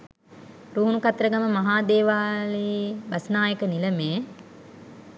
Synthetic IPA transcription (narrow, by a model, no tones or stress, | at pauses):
ɾuːunukat̪ɾəɡaməmaɦaːd̪eːʋaːleʋasənaːjəkəniləmeː